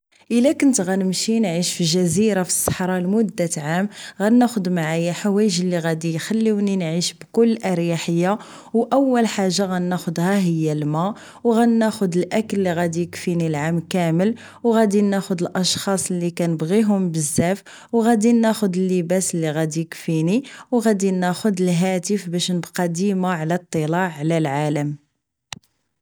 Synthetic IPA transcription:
ʔəlækʊnt̪ɣænəmʃinʕiʃfiʒæziɾafi̥sˤːɑ̥ħɾˤɑlmʊd̪ːat̪ʕamɣænæxʊd̪maʕajaħawæjəʒəlːiɣæd̪ijxælːiwninʕiʃbkʊlːʔɑɾjaħəjːa | wʔæwːəlħaʒːaɣænːæxʊd̪hæɦəjːælmæ | wɣænːæxʊd̪əlʔækəlːiɣæd̪ijəkfinilʕamkæməl | wɣæd̪inːæxʊd̪əlʔɑʃxɑsˤlːikænəbɣiɦʊmbəzːæf | wɣæd̪inːæxʊd̪əlːəbæsəlːiɣæd̪ijəkfiniwɣæd̪inːæxʊd̪əlɦæt̪əfbæʃnəbqɑd̪imaʕlæt̪ˤːəlɑʕːlælʕaləm

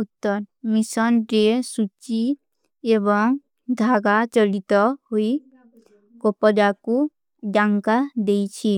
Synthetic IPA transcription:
ut̪ːɔɾmisɔnɾesut͡ʃi | ebɔŋ | d̪ʱaɡat͡ʃɔlit̪ɔhoi | kopɔd͡ʒaku | ɖaŋkad̪ejt͡ʃʰi

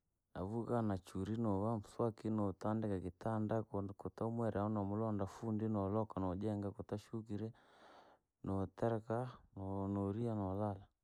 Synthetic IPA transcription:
naβuɣanat͡ʃuɾinɔβamuswakinɔtandɛkakitandakɔtaumwɛɾɛaɔnɔmulɔndafundinɔlɔkanɔd͡ʒɛŋɡakɔtaʃukiɾɛ | nɔtɛɾɛkanɔnɔɾianɔlala

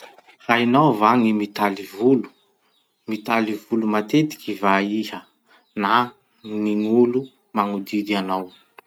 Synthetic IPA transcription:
rainawvaŋimit̪alivulu̥ | mit̪alivulumat̪et̪i̥kʲivaihə | na | miŋulu | maŋud̪id̪ianaw

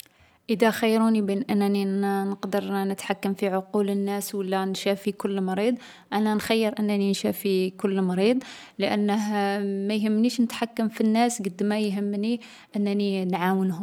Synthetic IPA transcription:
ʔəd̪æxajːɾunibinʔənːninəqd̪əɾˤnət̪ħakːəmfiʕʊqulənːæswəlːænʃæfikʊlːmɾid̪ˤ | ʔænænxæjːəɾʔənːæninʃæfikʊlːmɑɾid̪ˤ | ləʔənːəɦmæjɦəmːniʃnət̪ħakːəmfinːæsɡəd̪ːmæjɦəmːni | ʔənːæninʕawənɦʊm

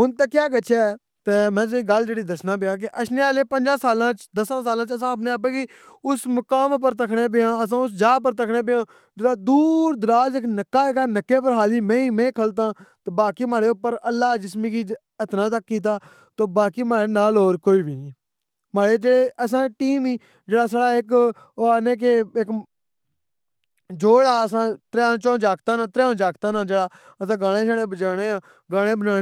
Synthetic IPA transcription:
ɦʊnt̪əkjaːkət͡ʃʰaː | t̪eːmɛ̃ːs̬ĩːɡəld͡ʒeːɽiːd̪əsnaːp̬ɪjaːk̬ɪʔəʃneːaːleːpənd͡ʒãːsaːlãːt͡ʃd̪əsãːsaːlãːt͡ʃəsãːəp̬neːəp̬ẽːɡi | ʊsmʊkaːmp̬əɾt̪əkʰɽeːp̬ɪãːəs̬ãːʊs̬d͡ʒaːpəɾt̪əkʰɽẽːp̬ɪjãː | d͡ʒɾaːd̪uːɾd̪əɾaːd͡ʒəknəkːaːekaːnəkːeːpəɾɦaːliːmɛ̃ːĩːmɛ̃ːkʰəlt̪ãːt̪eːbaːkiːmaːɽeːʊpːəɾəlːaːd͡ʒɪsmĩːkiː | ət̪nãːt̪əkːiːt̪̬aː | t̪oːbaːkiːmaːɾeːnaːloːɾkoːiːʋiː | maːɽeːd͡ʒeːɽeːʔəs̬ãːʈiːmiː | d͡ʒeːɽaːsaːɽaːɪk | oaːnẽːk̬eɪk | d͡ʒoːɽaːəsãːt̪əɾãːt͡ʃõːd͡ʒaːkt̪ãːnãːt̪əɾjaːd͡ʒaːkt̪aːnãːd͡ʒeːɽaː | əsãːɡaːɽ̃ẽːʃʰəːɽẽːbət͡ʃaːɽ̃eːãː | ɡaːɽ̃ẽːbənaː

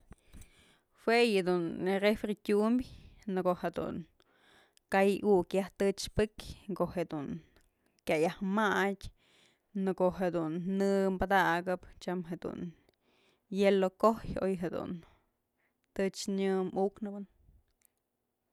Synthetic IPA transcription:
hwejed̪unrefɾit̪ʲumbʲnɨkoʔhed̪ṵn | kajukjaht̪ɨt͡ʃpɨkʲkoʔhed̪un | kʲajahmatʲ | nɨkoʔɦed̪unːɨmbad̪aɡɨpt͡ʃamɦed̪ṵn | jelokohjo̰jɦed̪ṵn | t̪ɨt͡ʃɲɨmuknɨbɨn

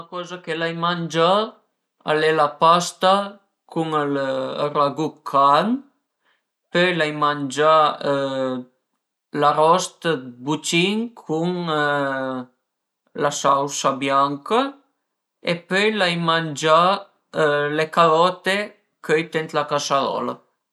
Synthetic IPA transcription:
uakɔzakelajmand͡ʒa | a̰lelapast̪a | kʰuŋəl̰raɡup̚kʰan | pøjlajmand͡ʒa | laɾɔst̪əbut͡ʃiŋkʰuŋ | lasawsabjaŋka | ḛpøjlajmand͡ʒa | lekaðɔt̪e | køjt̪ent̪lakasaðɔ̰la̰

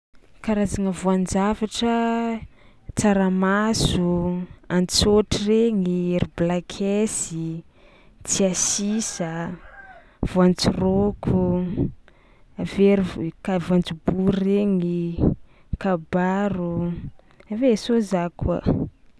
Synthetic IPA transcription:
kaɾazaŋəvoand͡ʒavaʈ͡ʂə | t͡saɾamasuant͡soʈ͡ʂireŋieɾiblakʰesi | t͡siasisə | v̥oant͡sirokʰu | aveɾikavoant͡subuɾreŋi | kabaɾu | avesozakʰwa̰

